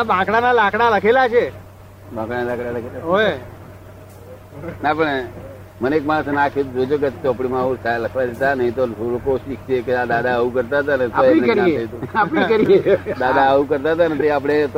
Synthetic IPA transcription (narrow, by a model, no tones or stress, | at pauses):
abãkɽanalãkɽaləkʰelat͡ʃʰe | bãkɽanalãkɽaləkʰelaɦo | napəɳe | mənekmaɽ̃əsnakʰjot̪uɾod͡ʒok̬et̪oapɽ̃imãɦusaləkʰʋad̪et̪anəɦĩt̪osoɾokoʃikt͡ʃʰekead̪ad̪ʱaəũkəɾt̪aɦət̪̬anətaoĩnkəɾaiet̪uapnikəɾied̪ad̪ʱaəʋukəɾt̪aɦət̪̬anət̪̬iap̬əɽ̃et̪